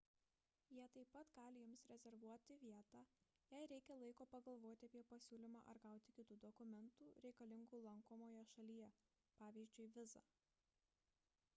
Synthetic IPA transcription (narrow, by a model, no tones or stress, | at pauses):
jiɛt̪ɐɪpːɐt̪ɡɑːlʲɪjʊmsɾʲɛzʲɛɾʋuɔt̪ʲɪʋʲiɛt̪ɑː | jæɪɾʲɛɪkʲɛlˠɐɪkoːpɐɡɐlˠʋoːt̪ʲɪɐpʲiɛpɐsʲuːlʲɪmɑ̰ːʔɐɾɡɐˑʊt̪ʲɪkʲɪt̪uːd̪ɔkʊmʲɛnt̪uːɾʲɛɪkɐlʲɪŋɡuːlˠɐŋkoːmoːjɛʃɐlʲiːjɛ | pɑːʋʲiːzʲd͡ʒʲʊɪʋʲɪzɑ̰ː